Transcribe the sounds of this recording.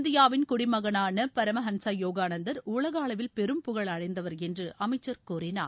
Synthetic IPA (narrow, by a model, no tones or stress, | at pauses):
nd̪ɪjaːʋɪnkʊɽɪmɐɣɐnaːnɐpɐɾɐmɐɦɐnsɐjoːɣaːnɐnd̪ɐɾuːɭɐɣaːlɐʋɪlpɛɾɯmpɯɣɐɭɐɻɐɪnd̪ɐʋɐɾɛndrɯʔɐmɐɪt͡ʃːɐɾkuːɾɪna̰ː